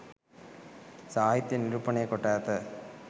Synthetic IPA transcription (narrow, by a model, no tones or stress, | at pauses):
saːjɪt̪ːɐnɪɾupːɐɳekɔʈːaːt̪ɐ